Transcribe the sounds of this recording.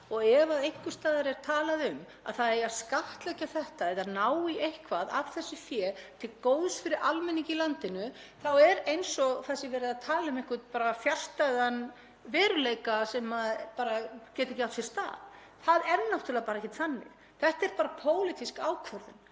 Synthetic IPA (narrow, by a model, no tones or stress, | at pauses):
ɔɣɛvaðejhkʏ̥st̪aːðaɾɛɾ̥t̪ʰaːlaðʏm | a̰ðθaðɛaskaht̪lɛcaθɛht̪aɛðanaːwiʔejhkvaða̰v̥θɛsːʏfjɛːt̪ʰɪlkoːwðʏsfɪɾɪɾʔalmɛnːiɲcɪlant̪ɪnʏ | θawɛɾejnsɔθɛsːɪvɛːɾɪðaðt̪ʰaːlaʏmehkʏt̪̚paːɾafjar̥st̪ajðan | vɛːɾʏlejkasɛmaðpaːɾacɛːt̪ɪecɪawt̪fjɛɾ̥st̪a̰ːð | θaðɛɾnːawht̪ʏlɛapaɾaɛhcɪt̪θanːɪ̰ɣ | θɛht̪aɛɾpaːɾapʰoːwlɪt̪iskaːwkʰvœɾðʏn